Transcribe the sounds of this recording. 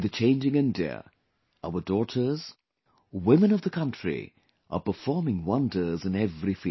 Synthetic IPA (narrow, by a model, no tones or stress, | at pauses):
ðɨt͡ʃʰẽɪ̃nd͡ʒɪ̃ŋɪ̃ndiə̰ | aʊə˞dɔɾə˞z̥ | wɪ̃mɨ̃nʌvðəkʰʌ̃nt͡ʃɹ̥ḭ | ʔə̰pə˞fɔɹmɪ̃ŋwʌ̃ndə˞zɨ̃nɛvɹifi